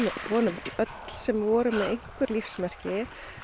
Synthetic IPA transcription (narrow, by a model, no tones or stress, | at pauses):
vɔːnʏmœt̪l̥sɛmvɔːɾʏmɛðejŋ̥kʏɾlifsmɛr̥cɪ